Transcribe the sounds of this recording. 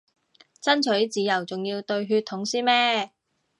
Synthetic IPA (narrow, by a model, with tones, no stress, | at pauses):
t͡sɐ˥nt͡ʃʰɵ˨˥ɥt͡siː˨˧jɐ˨˩wt͡sʊ˨ŋjiː˧wt̪ɵ˧ɥɦyː˧t̪ʰʊ˨˥ŋsiː˥mɛː˥